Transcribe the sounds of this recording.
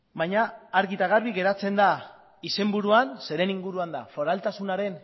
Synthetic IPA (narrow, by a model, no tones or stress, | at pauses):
bajɲaːɾɣit̪aɣ̞arβiɣe̞ɾat͡se̞nd̪a | ise̞mbuɾuanse̞ɾe̞niŋɡuɾuand̪a̰fo̞ɾalt̪asunaɾe̞n